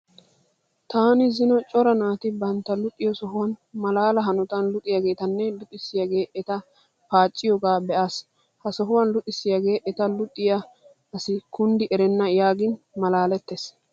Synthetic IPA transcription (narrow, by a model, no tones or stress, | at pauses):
t̪aːnɪzɪnɔt͡ʃʼɔɾɐnaːt̪ɪbɐnt̪ːɐlʊt̪ʼːɪjɔsɔɦʊwɐnmɐlaːlɐɦɐnɔt̪ɐnlʊt̪ʼɪjɐɡe̞ːt̪ɐnːɛlʊt̪ʼɪsːɪjaɡe̞ːʔɛt̪ɐ | paːt͡ʃʼːɪjɔɡaːbɛʔaːs | hɐsɔɦʊwɐnlʊt̪ʼɪsːɪjɐɡe̞ːʔɛt̪ɐlʊt̪ʼːɪjɐ | ɐsɪkʊnd̪ɪʔɛɾɛnːɐjaːɡɪn | mɐlaːlɛt̪ːes